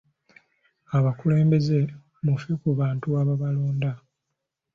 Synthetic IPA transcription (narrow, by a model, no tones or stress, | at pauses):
aβakule̞ːmbe̞ze̞ | mufekuβaːntuaβaβaloːnda